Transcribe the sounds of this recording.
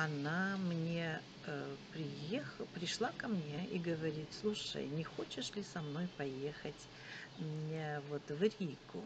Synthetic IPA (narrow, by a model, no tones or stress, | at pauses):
ɐnamnʲe̞ | əpɾʲɪjexpɾʲɪʂlˠakɐmnʲeʔiɡəvɐɾʲit̪slˠuʂə̰jnʲɪxo̞t͡ɕɪʂlʲɪsɐmno̞jpɐje̞xətʲ | vo̞t̪vɾʲikʊ̰